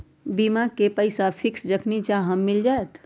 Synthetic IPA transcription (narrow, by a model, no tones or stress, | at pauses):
bimakepəɪsapʰiksd͡ʒəkʰnit͡ʃaɦəmːild͡ʒaet̪